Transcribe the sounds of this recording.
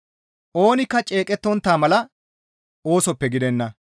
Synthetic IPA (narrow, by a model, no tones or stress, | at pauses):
ʔo̞ːnɪkːɐt͡ʃʼe̞ːkʼɛt̪ːɔnt̪ːaːmɐlɐ | o̞ːsɔpːɛɡɪd̪ɛnːɐ